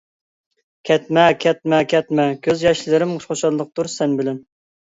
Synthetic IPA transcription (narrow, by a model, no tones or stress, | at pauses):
kʲʰɛt̪mɛkʲʰɛt̪̚mɛkʲʰɛt̪̚mɛkʲʰøzjɑʃlˠɨɾɪmʊʃχoʃɑlˠːəq̚t̪uɾsɛnbɪlɪn